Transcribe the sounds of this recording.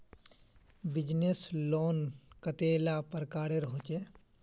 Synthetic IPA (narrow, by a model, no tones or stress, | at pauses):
bɪd͡ʒnesloːnkət̪eːlapəɾkaːɾeɾɦot͡ʃeː